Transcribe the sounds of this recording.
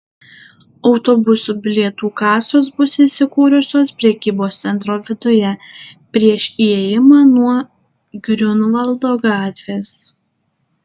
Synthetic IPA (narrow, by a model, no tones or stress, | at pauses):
ɒʊt̪obʊsuːbʲɪlʲiɛt̪uːkɑːsoːsbʊsɪːsʲɪkuːɾʲʊsʲoːspʲɾʲɛkʲiːboːst̪sʲɛnt̪ɾoːʋʲɪd̪ʊjɛpʲɾʲiɛʃiɛjɪmɑːnuɔ | ɡɾʲʊnʋɐlˠd̪oːɡɑːt̪ʲʋʲeːs